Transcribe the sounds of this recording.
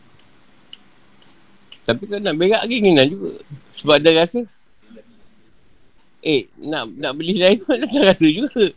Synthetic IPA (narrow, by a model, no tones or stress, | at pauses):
t̪apikalonaʔbeɣaʔɡiŋinand͡ʒuɡa̰səbap̚daɾasə | ʔenaʔnaʔbəlɪhdaiməadarasəd͡ʒuɡa